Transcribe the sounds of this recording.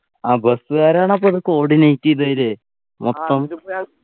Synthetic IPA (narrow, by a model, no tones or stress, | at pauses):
aːbɐsɨɣaːɾaːɳɐp̬ːoːðokːɨoːɽinɐjtːiðɐɾɨ | mʔɔt̪ːɐm